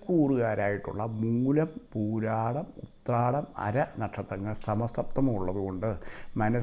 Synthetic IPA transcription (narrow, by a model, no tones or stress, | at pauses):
kːuːruɣaːɾaːjiʈːṵɭːɐmuːlɐmpuːɾaːɽɐmṵt̪raːɽɐmɐ̰ɾɐnɐʈʂɐt̪ːrɐŋːɐɭsɐmɐsɐp̚t̪ɐmɐmuɭːɐðuɣo̞ɳɖɨmɐnɐ